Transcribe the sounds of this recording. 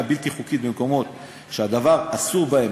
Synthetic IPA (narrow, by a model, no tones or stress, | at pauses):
bilt̪iχukit̪̚bemko̞mo̞t̪ | ʃead̪avaʁasuʁbae